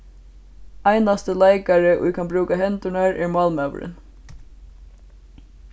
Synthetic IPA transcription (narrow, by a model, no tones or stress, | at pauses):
ajnast̪əlaɪkaɾəʔʊ̰jkʰanbɾuːkaɦɛnt̪ʊɳaɹɛɹmɑːlmœʋ̰ɹɪ̰n